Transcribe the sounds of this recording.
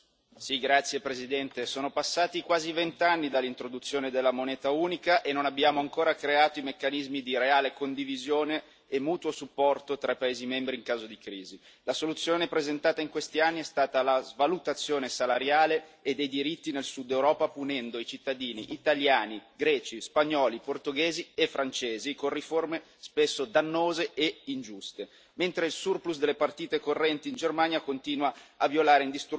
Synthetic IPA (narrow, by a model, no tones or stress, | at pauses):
siɡɾat̪sːjepɾezid̪ɛnt̪esoːnopasːaːt̪ikwaːzivent̪anːid̪alːint̪ɾod̪ut̪sːjoːned̪elːamonɛːt̪auːnikaʔenːonabːjaːmoaŋkoːɾakɾeaːt̪oimekːanizmid̪iɾeaːlekond̪ivizjoːneː | mːuːt̪wosupːɔrt̪ot̪ɾapːaeːzimɛmbɾiːŋkaːzod̪ikɾiːzi | lasolut̪sːjoːnepɾezent̪aːt̪aiŋkwest̪ianːiɛst̪aːt̪alazvalut̪at̪sːjoːnesalaɾjaːleːd̪ːejd̪iɾit̪ːinelsud̪ːewɾɔːpapunɛnd̪oit͡ʃit̪ːad̪iːnḭʔːt̪aljaːniɡɾɛːt͡ʃispaɲːɔːliport̪oɡeːziefːɾant͡ʃeːzikorriforme | spesːod̪anːoːzeːind͡ʒust̪e | ment̪ɾeilsurplus̬d̪elːepart̪iːt̪ekorːɛnt̪iːnd͡ʒermanjakont̪iːnwaːvjolaːɾeind̪ist̪